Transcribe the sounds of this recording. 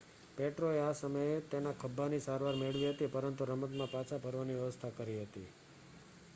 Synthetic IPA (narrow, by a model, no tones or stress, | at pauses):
peʈɾoeasəməjet̪enakʰəbːanisaɾʋaɾmeɭʋiɦət̪ipəɾənt̪̬uɾəmət̪mãpat͡ʃʰapəɾʋaniʋjəʋəst̪ʰakəɾiɦət̪ḭ